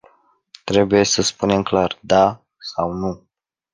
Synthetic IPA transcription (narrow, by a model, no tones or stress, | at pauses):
t̪ɾe̞buje̞səspune̞mklard̪a | sawnu